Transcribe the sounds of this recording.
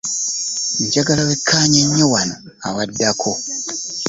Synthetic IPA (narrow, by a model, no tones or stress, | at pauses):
ɲɟaɡalawekʰːaːɲeɲːowano | awadːakʰo